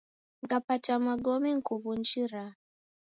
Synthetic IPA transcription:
ŋɡapatamaɡɔmiŋ̩kuβund͡ʒiɾa

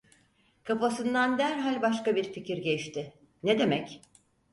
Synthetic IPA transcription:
kʰafasɯnd̪and̪æɾɦalʲbaʃkabiɾficʰiɾɟɛʃt̪ʰɪ | ned̪e̞mɛc

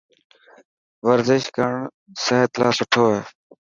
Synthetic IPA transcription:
ʋəɾzɪʃkəɳ | səɦət̪laːsʊʈʰoːeː

